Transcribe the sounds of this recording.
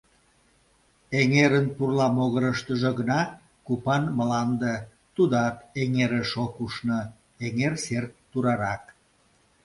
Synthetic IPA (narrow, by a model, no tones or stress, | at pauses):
eŋeɾənpurlɑmoɣəɾəʃt̪əʒə̆ɣənɑ | kupɑnməlɑnd̪e | t̪ud̪ɑkeŋeɾeʃokuʃnə | eŋersert̪ːuɾɑɾɑk